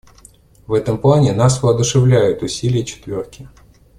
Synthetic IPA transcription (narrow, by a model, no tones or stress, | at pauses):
vɛt̪əmplˠanʲɪnasvəːd̪ʊʂɨvlʲæjʊt̪ʊsʲilʲɪjət͡ɕɪ̥t̪vʲo̞rkʲɪ